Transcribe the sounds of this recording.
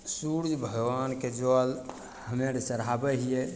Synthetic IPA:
suɾd͡ʒʱbʱəɡʋanked͡ʒoal | həmeɾt͡ʃəɾabɛɦije

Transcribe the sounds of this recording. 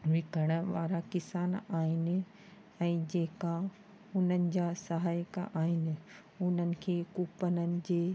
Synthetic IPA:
ʋɪkəɽ̃əʋaːɾakɪsaːnaːɦɪnɪ̆ | ɛ̃ːd͡ʑeːka | ʊn̤ənɪ̆d͡ʑasɐɦaːjəka̰ʔaːɦɪnɪ̆ | ʊn̤ənɪ̆kʰeːkuːpənənɪ̆d͡ʑeː

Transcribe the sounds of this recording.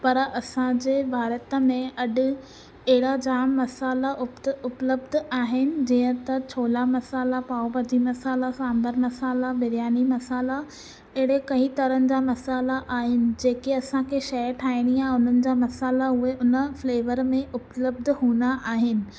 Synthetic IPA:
pɐɾɐsãd͡ʑeːbʱaːɾət̪əmẽɐɗʊ̆ | ɐɦɪɽad͡ʑaːmːɐsaːlaʔʊʊpləbd̪aːɦɪnɪ̆d͡ʑiːə̃t̪ɐt͡ɕʰoːlamɐsaːlapaːobɐd͡ʑimɐsaːlasãːmbəɾmɐsaːlabɪɾijaːnimɐsaːla | ɐɦɪɽekɐĩt̪ɐɾənɪ̆d͡ʑaːmɐsaːlaʔaːɦɪnɪ̆d͡ʑeːkeɐsãkʰeʃɐəɾʈʰaːɪɽ̃iaːɦʊn̤ənɪ̆d͡ʑaːmɐsaːlaɦueʔʊnəfleːʋəɾmẽʔʊpləb̚d̪ʱɦuːnd̪aʔaːɦɪnɪ̆

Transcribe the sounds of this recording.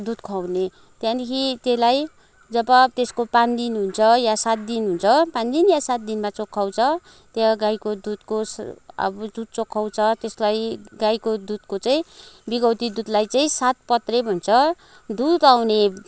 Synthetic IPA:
d̪ud̪kʰawne | t̪jãnikʰit̪elaj | d͡zʌbʌt̪eskopand̪inɦunt͡sʰʌjasat̪̚d̪inɦunt͡sʰʌpãnd̪injasat̪̚d̪inmat͡sokʰːaw̃t͡sʰʌ | t̪jaɡajkod̪ud̪kosʌ̰bʌd͡zut̪̚t͡sokʰːaw̃t͡sʰʌt̪eslajɡajkod̪ud̪kot͡saĩbiɡʌwt̪id̪ud̪lajt͡saĩsat̪̚pʌt̪rebʱʌnt͡sʰʌ | d̪ud̪awne

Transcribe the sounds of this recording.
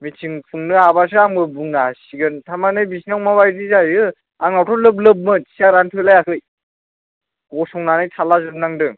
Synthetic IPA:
mit͡ʃʰiŋpʰuŋnɯabas̬ɯaŋbɯbuŋasiɡɯntʰamanɯjbisnawmabajdizajɯ | aŋawtʰɔlɯb̬lɯp̚mɯti̥saɾantʰɯlajakʰɯj | ɡɔsɔŋnanɯjtʰalazɯnaŋdɯ

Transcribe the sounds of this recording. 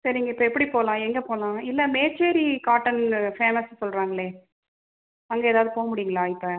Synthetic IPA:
sɐɾɪŋɡɐɪpːɐɛpːɐɽipoːlãːɛŋɡɐpoːlãːɪlːɐmeːt͡ʃːeːɾikaːʈːɐnfeːmɐssɔlrɾaːŋɡɐɭeː | ɐŋɡɐeːðaːʋðɯpoːɣɐmʊɽɪjŋɡɐlaːɪpːɐ

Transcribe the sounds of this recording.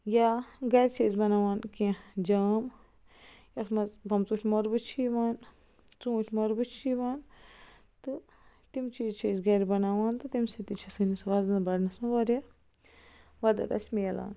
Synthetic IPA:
jaɡɐɾʲt͡ʃʰeːzbɐnaːʋaːnkid͡ʒaːm | jɐsmɐzbɐmt͡sutʰʲmoɾbɨt͡ʃʰiːʋaːn | t͡sũːtʲʰmoɾbɨt͡ʃʰiːʋaːn | t̪ɨ | t̪imt͡ʃiːzt͡ʃʰeːzɡɐɾʲbɐnaːʋaːnt̪ɨt̪imsit̪it͡ʃʰɐsɨnisɐʋazɐnbɐɽnɐsũʋɐɾʲe | ʋɐd̪ɐ̰k̪ɐ̰sʲmeːla̰ːn

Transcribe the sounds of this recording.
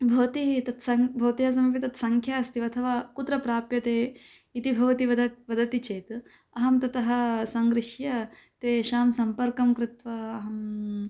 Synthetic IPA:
bʱɐʋt̪it̪ɐt̪sɐbʱɐwt̪ijɐs̬ɐmɐpit̪ɐt̪sɐŋkʰjaːɐst̪iʋɐt̪ʰɐʋaːkut̪ɾɐpɾaːpjɐt̪eː | it̪ibʱɐʋɐt̪iʋɐd̪ɐʋɐd̪ɐt̪it͡ʃeːt̪ | ɐɦɐmt̪ɐt̪ɐɦɐ̆sɐŋɡɾɪʂjɐ | t̪eːʃaːmsɐmpɐɾkɐmkɾɪt̪ʋɐɐɦɐm

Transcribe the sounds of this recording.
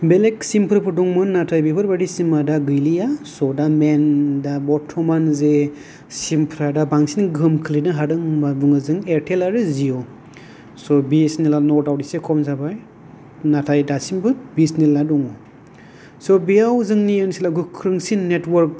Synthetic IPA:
beleksimpʰɾɯpʰɯdɔŋmɯnnatʰajbibʰɯɾbadisimadaɡɯjlijasɔdamendabɔtʰːɔmanze | simpʰɾadabaŋsinɡɯmkʰɯlinɯɦadɯŋbabuŋɯzɯŋeɾtʰelaɾɯzijɔ | sɔbisnilanɔɾtawdisekʰɔmzabaj | natʰajdasimbɯbisniladɔŋɔ | sɔbijawzɯŋnijɯnsilaɡɯkʰɾɯŋsinːetwɔɾk̚

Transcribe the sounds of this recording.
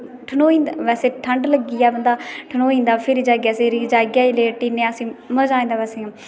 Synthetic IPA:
ʈʰənoːĩːnd̪ʋɛːseːʈʰəɳɖləɡiːaːbənd̪aːʈʰənoːĩːnd̪aːpʰɪɾiːd͡ʒaːɡjaːseɾid͡ʒaːɡjaːileːʈiːnẽːəsĩːməd͡ʒaːĩːd̪aːʋɛːseːãː

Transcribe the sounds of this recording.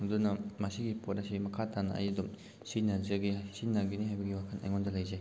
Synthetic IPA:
hudunɐmasiɡipot̚nɐsimɐkʰatʰanɐ̰ɐ̰jidum | sinɐzeɡisinːaɡiniɦajbɐɡiwakʰɐnɐ̰jŋɔndɐlɐjze

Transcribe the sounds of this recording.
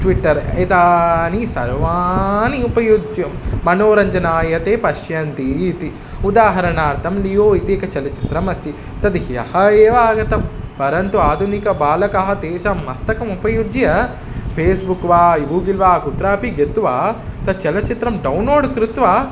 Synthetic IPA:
ʈʋiʈːɐɾit̪aːnisɐ̰ɾʋaːniupɐjud͡ʒ̪jɐmmɐnoːɾɐɲd͡ʒɐnaːjɐt̪eːpɐʃjɐnt̪iːt̪i | ud̪aːɦɐɾɐnaːɾt̪ʰɐmlijoːit̪iːkɐt͡ʃɛlɐt͡ʃi̥t̪ɾɐmɐsʈ̪i | t̪ɐd̪ihjɐ̰hɐeːʋaːɡɐt̪ɐmpɐɾɐnt̪uaːd̪ʱunikɐbaːlɐkɐɦɐt̪eːʃamːɐst̪ɐkɐmupɐjud͡ʒ̪jɐ | pʰeːsbukʋaːiʋuɡilʋaːkut̪ɾaːpiɡet̪uʋaːt̪ɐt͡ʃɛlɐt͡ʃit̪ɾɐmɖɐwnloːɖkɾut̪ʋaː

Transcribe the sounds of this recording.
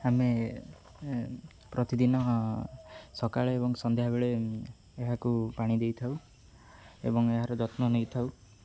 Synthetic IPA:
ame | pɾɔt̪id̪inɔ | sɔkaɭeːbɔŋsɔnd̪ʱjɦabeɭe | eɦakupaɽ̃id̪ejt̪ʰaw | ḛbɔŋeɦaɾɔd͡ʒɔt̪nɔnejt̪ʰaw

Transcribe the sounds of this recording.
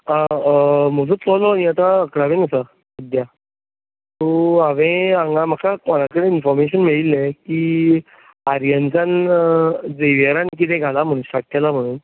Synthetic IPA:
ã | m̤əd͡zõt͡sɔlɔaniat̪aəkɽaʋẽnəsa | id̪ja | t̪oaʋẽãŋɡãm̤akakɔɽ̃akəɽẽinfɔɾmeɕənmeɭilekiː | aɾjənsan | d͡zeʋəɾank̬it̪̬ɛ̃ɡʱalam̤əɽ̃uːnɕakʰːjalam̤əɽ̃uːn

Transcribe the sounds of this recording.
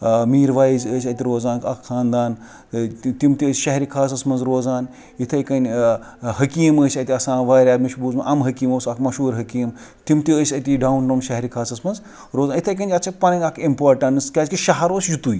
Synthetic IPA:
miːɾʋaːjzəːsʲɐt̪ʲiɾoːzaːnkɐkxʰaːnd̪aːn | t̪imt̪iəːsʲʃɐɦɾikʰaːs̬ɐsmɐnzɾoːzaːn | it̪ʰɐjkɐnʲ | hɐkiːməːsʲɐt̪ʲiɐsãːʋaːjɾʲaːmiʃbuːzmɐʔɐmɦɐkiːmoːsɐkʰmɐʃuːɾɦɐkiːm | t̪imt̪iəːsʲɐt̪iɖawnɖɐːmʃɐɦɾikʰaːsɐsmɐnz | ɾoːzaːnit̪ʰɐjk̬ɐnʲd͡ʒʲɐt͡ʃʰɐpɐnɐŋɐkʰimpoːɾʈɐnɨskʲaːzkiʃɐɦɐɾoːsd͡ʒut̪uːj

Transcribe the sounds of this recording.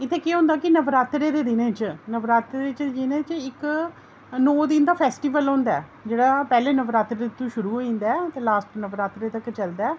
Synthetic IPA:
ɪt̪ʰːeːkeɦõːnd̪aːkɪnəʋɾaːt̪ɾeːd̪eːd̪ɪnẽːt͡ʃnəʋɾaːt̪ɾet͡ʃd͡ʒɪnẽːt͡ʃɪk | nɔːd̪ɪnd̪aːpʰɛːsʈiːʋəlõːnd̪aɛː | d͡ʒeːɽaːpɛːleːnəʋɾaːt̪ɾet̪ũːʃʊɾuːɦoːĩːnd̪aɛt̪eːlaːsʈnəʋɾaːt̪ɾeːt̪əkt͡ʃəld̪aːɛː

